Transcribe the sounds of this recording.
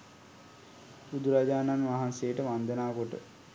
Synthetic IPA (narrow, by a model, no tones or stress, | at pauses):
ud̪uɾaɟaːnanʋaɦanseəʈəʋand̪enaːkoʈə̰